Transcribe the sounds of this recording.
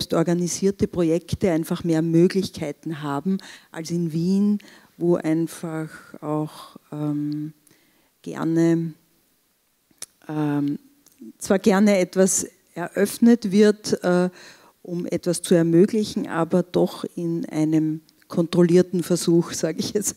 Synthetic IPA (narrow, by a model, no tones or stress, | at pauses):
ɛpstɔɐɡaniziːɐtəpʁojɛktəæ̃ɪnfaχmeːɐmøːɡlɪçkʰaɪtn̩ɦaːbm̩ʔa̰lsɪnviːn | voːʔaɪnfaxaʊxɛːm | ɡ̥ɛ̰ɐnə | ʔɛ | t͡sv̥aːɐɡɛɐnəɛtv̥as | ɛɐʔœfnətv̥ɪɐtɛː | ʔʊmʔɛ̰tv̥ast͡suɛɐmøːɡlɪçn̩ʔa̰ːbɐd̥ɔxɪnʔæ̰ɪnəm | kʰɔntʁ̥oliːɐtn̩fɛɐzuːxsaːɡɪçɛt͡s